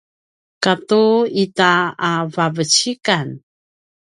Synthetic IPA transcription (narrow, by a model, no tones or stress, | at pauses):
katuitaavavət͡ɕikan